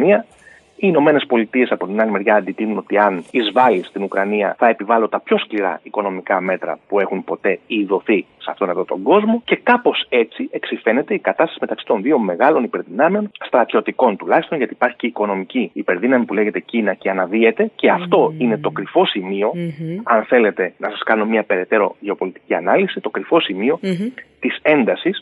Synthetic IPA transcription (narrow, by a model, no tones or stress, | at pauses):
niɐ | iːno̞me̞ne̞spo̞lit̪ie̞sɐpo̞t̪inɐlimeɾʝɐːnd̪it̪inuno̞t̪iɐnizvɐlist̪inukɾɐniɐ̰θɐe̞pivɐlo̞t̪ɐpço̞skliɾɐ̰iko̞no̞mikɐme̞t̪ɾɐ̰pue̞xunpo̞t̪e̞iðo̞θiseɐ̰ft̪o̞nɐvðot̪o̞ŋɡo̞zmo̞ce̞kɐpo̞se̞t͡siʔe̞ksife̞ne̞t̪e̞ikɐt̪ɐst̪ɐsime̞t̪ɐksi̥t̪o̞nðio̞me̞ɣɐlo̞nipe̞ɾðinɐmeo̞nst̪ɾɐt̪ço̞t̪iko̞nt̪ulɐçist̪o̞nʝɐt̪iːpɐɾçi̥ceiko̞no̞miciːpe̞ɾðinɐmipule̞ʝe̞t̪e̞cinɐce̞ɐnɐvie̞t̪e̞ce̞ɐft̪o̞ine̞t̪o̞kɾifo̞simio̞ɐnθe̞le̞t̪e̞nɐsɐskɐnomɲɐpe̞ɾe̞t̪e̞ɾo̞̰ʝe̞o̞po̞lit̪i̥ciɐnɐlisit̪o̞kɾifo̞simio̞t̪ise̞nd̪ɐsis